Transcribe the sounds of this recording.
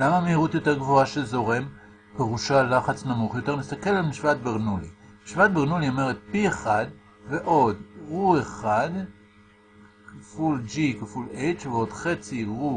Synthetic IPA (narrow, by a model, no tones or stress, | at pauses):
lamamehiʁut̪jo̞t̪e̞ʁɡvoaʃezo̞ʁe̞m | peʁuʃalaχat͡snamuχjo̞te̞ʁmist̪ake̞lalmiʃvat̪̚beʁnulḭmiʃvat̪̚beʁnulio̞me̞ʁet̪̚pieχad̪ | ve̞ʔo̞d̪ʁueχad | kafuld͡ʒikafulejt͡ʃveo̞d̥χe̞t͡siʁu